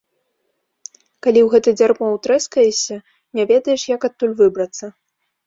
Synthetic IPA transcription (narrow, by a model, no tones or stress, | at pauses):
kalʲiwɣɛt̪ɐd͡zʲarmɔwt̪ɾɛskɐjɛsʲɐ | nʲavʲɛd̪ɐjɛʂjɐkat̪ːulʲvɨbɾɐt̪sːɐ